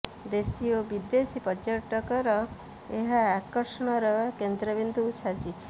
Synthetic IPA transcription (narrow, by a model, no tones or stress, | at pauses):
d̪esiobid̪esipɔd͡ʒɔɾʈɔkɔɾɔ | eɦaːkɔɾsɔɽ̃ɔɾɔkend̪ɾɔbind̪usad͡ʒit͡ʃʰi̥